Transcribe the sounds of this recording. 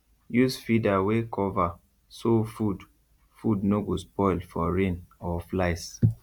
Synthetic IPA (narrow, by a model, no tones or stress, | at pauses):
jusfidawekʰɔva | sofud | fudnoɡospɔɪlfɔɹẽnɔflaɪs